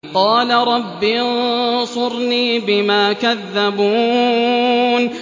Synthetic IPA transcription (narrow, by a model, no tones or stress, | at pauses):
qɑːlaɾˤɑbːiːnsˤʊɾniːbɪmaːkaðːabuː | n